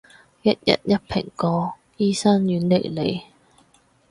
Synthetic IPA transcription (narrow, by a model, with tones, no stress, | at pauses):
jɐ˥t̚jɐ̰˨˥t̚jɐ˥t̚pʰɪ̰˨˩ŋkɔː˧ | jiː˥sɐː˥njyː˨˥nle˨˩jle˨˧j